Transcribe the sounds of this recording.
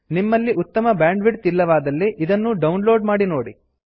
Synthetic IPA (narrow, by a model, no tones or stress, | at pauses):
nimːɐlːiʔut̪ːɐmɐbjaːɳɖʋiɖt̪ilːɐʋaːd̪ɐlːiʔid̪ɐnːuɖɐwnlo̞ːɖmaːɽino̞ːɽḭ